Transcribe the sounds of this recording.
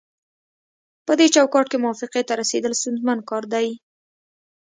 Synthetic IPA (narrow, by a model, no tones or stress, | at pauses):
pəd̪et͡ʃawkɑʈkemʊwɑfɪqet̪aɾased̪əlsʊnzmankɑɾd̪aj